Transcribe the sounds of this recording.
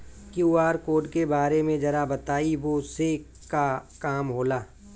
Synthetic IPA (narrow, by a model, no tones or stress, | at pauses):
kjuːaːɾkoːɖkebaːɾemẽd͡ʒɐɾabɐt̪aːiʋose | kakaːmɦoːlaː